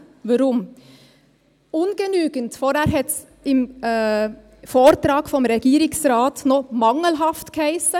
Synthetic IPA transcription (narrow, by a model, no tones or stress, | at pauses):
ʋʊɾʊm | ʊːnɡənyːɡənt̪foːɾæɾhɛt̪ | ɪm | foːɾt̪ɾɑːɡ̥fɔmɾɛɡiːɾɪŋsɾɑːt̪noːmɑŋəlɦɑft̪kʰæɪsə